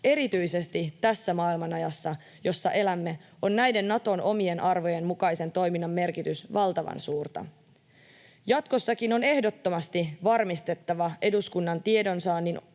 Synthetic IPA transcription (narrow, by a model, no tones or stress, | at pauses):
e̞ɾit̪yjse̞st̪it̪æsːæmɑːilmɑnɑjɑsːɑ | jo̞sːɑʔe̞læmːe̞ | o̞nnæjde̞nːɑt̪o̞nʔo̞mie̞nʔɑrʋo̞je̞mmukɑjse̞nt̪o̞jminːɑmːe̞rkit̪ysʋɑlt̪ɑʋɑ̰nsuːrt̪ɑ̰ | jɑt̪ko̞sːɑkino̞ne̞hdo̞t̪ːo̞mɑst̪iʋɑrmist̪e̞t̪ːɑʋɑʔe̞duskunːɑnt̪ie̞do̞nsɑːnːin